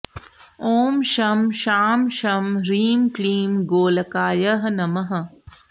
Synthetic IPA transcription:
oːmʃɐmʃaːmʃɐmɾiːmkliːmɡoːlɐkaːjɐɦnɐmɐɦɐ̆

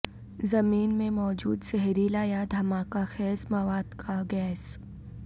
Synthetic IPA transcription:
zɐmiːnmẽmɔːd͡ʒuːd̪sɛɦɾilaːjad̪ʱɐmaːkaxɛːzmɐʋaːd̪kʰaɡɛːs

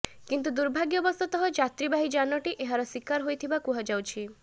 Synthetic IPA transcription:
kint̪ud̪uɾbʱaɡjɔbɔst̪ɔt̪ɔɦɔd͡ʒat̪ɾibaɦid͡ʒanɔʈiʔeɦaɾɔswikaɾɦojt̪ʰibakuɦad͡ʒawt͡ʃʰi

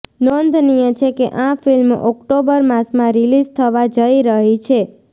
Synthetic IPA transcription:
nɔnd̪ʱnijə̃t͡ʃʰekeʔãfilmʔɔkʈobəɾmasmãɾilizt̪ʰəʋad͡ʒəiɾəɦit͡ʃʰe

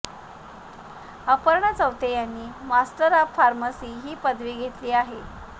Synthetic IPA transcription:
əpəɾɳat͡səʋt̪ejanːiːmasʈəɾapfaɾmasiːɦiːpəd̪ʱʋiːɡʱet̪liːaɦe

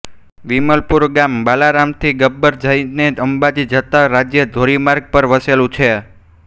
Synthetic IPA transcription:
ʋiməlpuɾɡambalaɾamt̪ʰiɡəbːəɾd͡ʒəjneəmbad͡ʒid͡ʒət̪aɾad͡ʒjəd̪ʱoɾimaɾɡ̚pəɾʋəselũt͡ʃʰe

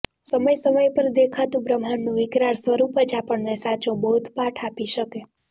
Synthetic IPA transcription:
səməjsəməjpəɾd̪ekʰat̪ũbɾəmɦanːũʋɪkɾaɽsʋəɾupət͡ʃapəɳnesat͡ʃõbəɦut̪paʈʰapiʃəke

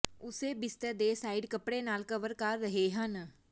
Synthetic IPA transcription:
ʊseːbɪst̪əːd̪eːsaːiɖkəpɽeːnaːlkəʋəɾkəɾːəɦeːɦən

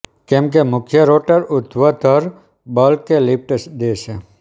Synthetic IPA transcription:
kẽːmk̬emʊkʰjəɾoːʈəɾʊt̪ʰʋət̪əɾ | bəlkːelɪpʈəsd̪eːʃe

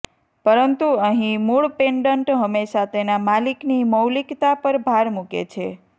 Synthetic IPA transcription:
pəɾənt̪uəɦĩmuɭpeɳɖəɳʈɦəmesat̪enamalikniməwlikt̪apəɾbʱaɾmukḛt͡ʃʰe

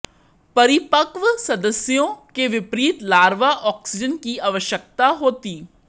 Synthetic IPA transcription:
pəɾɪpəkʋsəd̪əsjõːkeʋɪpɾiːt̪laːɾʋaːʔɔːksɪd͡ʒənkiːaʋəʃjək̚t̪aɦoːt̪iː

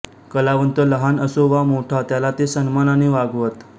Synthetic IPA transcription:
kəlaʋənt̪ələɦanəsoʋamoʈʰat̪jalat̪esənmananeʋaɡʋət̪

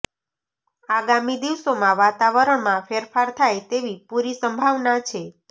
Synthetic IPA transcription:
aɡamid̪iʋsomãʋat̪aʋəɾəɳmãfeɾfaɾt̪ʰajt̪eʋipuɾisəmbʱaʋnat͡ʃʰe

